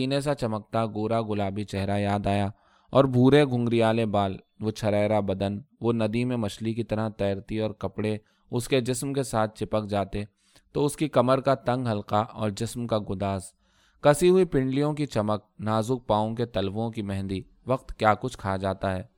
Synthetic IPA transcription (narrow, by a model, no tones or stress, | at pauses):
iːnes̬at͡ʃɐmək̚t̪aɡoːɾaɡʊlaːbit͡ʃɛɦɾajaːd̪aːja | ɔːɾbʱuːɾeɡʱʊ̃ŋɡɾijaːlebaːl | ʋot͡ʃʰɐɾɛːɾabɐd̪ənʋonɐd̪imẽmɐʃlikit̪ɐɾat̪ɛːɾt̪iɔːɾkɐpɽe | ʊsked͡ʒɪsmkesaːt̪̚ʰt͡ʃɪpəkd͡ʒaːt̪e | t̪oʊskikɐməɾkat̪ɐ̃ŋɡɦɐlqaʔɔ̰ːɾd͡ʒɪsmkaɡʊd̪aːz | kɐsiɦʊipɪ̃ɳɖlijõkit͡ʃɐmək̚naːzʊk̚paːõket̪ɐlʋõkimɛɦnd̪i | ʋɐqt̪kjaːkʊt͡ʃʰkʰaad͡ʒaːt̪aɦɛː